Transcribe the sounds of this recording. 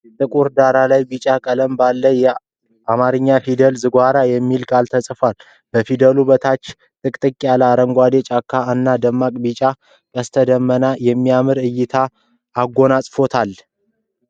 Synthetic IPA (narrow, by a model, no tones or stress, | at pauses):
jɛt̪ʼɨkʼuɾd̪aɾalajbit͡ʃʼakʼələmbalːəjɛ | ʔamaɾɨɲːafid̪əlzɨɡʷaɾajɛmːilkʼalt̪ʰəsʼfal | b̥əfid̪əlubət̪ʰat͡ʃː | t̪ʼɨkʼt̪ʼɨkʼːjaləaɾəŋɡʷad̪et͡ʃʼakʰːaɨnːad̪əmːakʼbit͡ʃʼa | kʼəst̪ʰəd̪əmːənajɛmːiamɨɾɨjːɪt̪ʰaː | ɡːo̞nasʼfo̞t̪ʰal